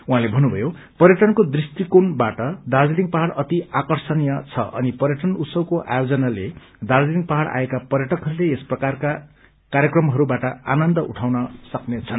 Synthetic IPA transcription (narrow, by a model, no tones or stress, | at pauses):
ũɦãlebʱʌnːubʱʌjo | pʌɾjʌʈʌnkod̪rist̪ikonbaʈʌd̪ard͡ziliŋɡ̚pʌɦaɽʌt̪iakʌrsʌnijʌt͡sʰʌʔʌnipʌɾjʌʈʌnut̪sʌbkoʔa̰jod͡zʌnale | d̪ard͡ziliŋɡ̚pʌɦaɽa̰ekapʌrjʌʈʌkɦʌɾuleesprʌkarka | kaɾjʌkrʌmɦʌɾubaʈʌanʌnd̪ʌʔuʈʰawnʌsʌknet͡sʰʌn